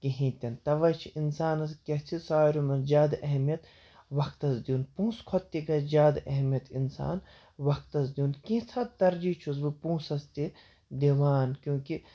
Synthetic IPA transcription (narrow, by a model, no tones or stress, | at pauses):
kiɦĩːt̪ʲɐnt̪ɐʋɐt͡ʃʰiinsaːnɐskʲɐt͡sʰisaːjɾumɐnd͡ʒaːd̪ɐɦmijɐt̪ | ʋɐkt̪ɐzd̪ʲiuːnpũːskʰɔt̪ːiɡɐd͡ʒaːd̪ɐɦmijɐt̪insa̰ːn | ʋɐk̚t̪ɐzd̪iunkĩt͡s̪ʰɐt̪̚t̪ɐɾd͡ʒit͡ʃʰusbɨpũːsɐst̪i | d̪iʋaːnkjõːki